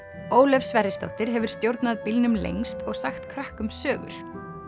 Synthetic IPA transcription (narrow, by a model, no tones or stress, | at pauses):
oːwlɛfsːvɛrɪst̪a̰wht̪ɪɾ̥ɦɛvʏɾ̥st̪jowɾt̪naðpilnʏmlḛjŋst̪ɔɣsaxt̪kʰɾahkʏmsœːɣʏ̰ɾ̥